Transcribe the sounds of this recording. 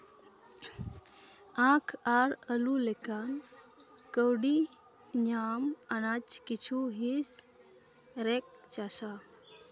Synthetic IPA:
ãkʰaɾəlulekan | kəwɽi | ɲamanat͡ɕkit͡ɕʰuɦis | ɾek̚t͡ɕaɕa

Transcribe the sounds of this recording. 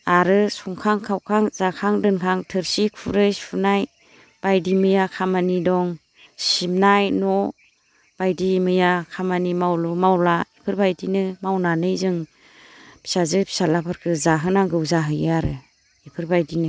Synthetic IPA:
aɾɯsuŋkʰaŋkʰawkʰaŋz̥akʰaŋdɯnkʰaŋtʰɯɾsikʰuɾɯspʰunaj | b̥ajdimɯjakʰamanidɔŋ | simnajnɔ | b̥ajdimɯjakʰamanimawlumawlaipʰɯɾbajdinɯmawnanɯjzɯŋ | pʰi̥sazɯpʰi̥salapʰaɾkʰɯzaɦɯnaŋɡɯwzaɦɯjɯaɾɯ | ipʰɯɾbajdinɯ

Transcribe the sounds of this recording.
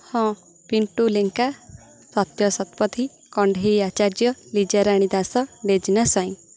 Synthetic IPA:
hɔ̃ | piɳʈuleŋka | swɔt̪jɔsɔt̪pɔt̪ʰi | kɔɳɖʱejat͡ʃaɾd͡ʒjɔlid͡ʒaɾaɽ̃id̪asɔɖed͡ʒinasaj̃

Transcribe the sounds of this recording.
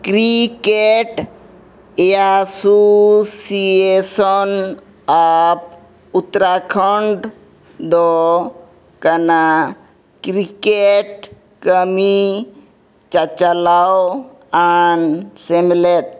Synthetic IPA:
kɾikeʈ | easosiesɔn | ap̚ | ut̪ɾakʰɔɳɖ | d̪o | kɐna | kɾikeʈ̚ | kəmi | t͡ʃat͡ʃalawo | ansemlet̪̚

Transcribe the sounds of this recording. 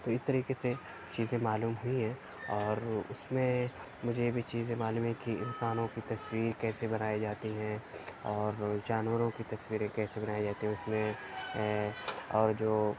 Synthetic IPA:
t̪oːɪst̪ɐɾiːkese | t͡ʃiːzẽmaːluːmɦʊiɦɛ̃ː | ɔːɾʊsmẽ | mʊd͡ʒʱebʱit͡ʃiːzẽmaːluːmɦɛ̃kiɪ̰̃nsaːnõkit̪ɐswiːɾkɛːsebɐnaːed͡ʒaːt̪iɦɛ̃ɔːɾd͡ʒaːnwəɾõkit̪ɐswiːɾẽkɛːsebɐnaːed͡ʒaːt̪eɦɛ̃ʊsmẽ | ɔːɾd͡ʒoː

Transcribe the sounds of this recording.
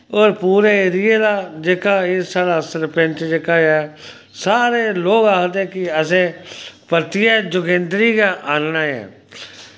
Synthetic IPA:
oːɾpuːɾeːeːɾɪjeːd̪aːd͡ʒeːkaːeːsaːɽaːsəɾpɛ̃nt͡ʃd͡ʒeːkaːɛː | saːɾeːloːɡaːkd̪eːkɪəsẽːpət̪ɪjeːd͡ʒʊkẽːnd̪ɾiːkaʔaːnnaːɛ̰ː

